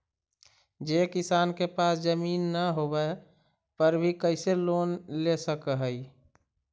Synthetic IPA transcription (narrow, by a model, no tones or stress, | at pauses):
d͡ʒekɪsaːnkepasd͡ʒəmiːnːəɦobɛ | pəɾbʱikəɪselonlesəkəɦəi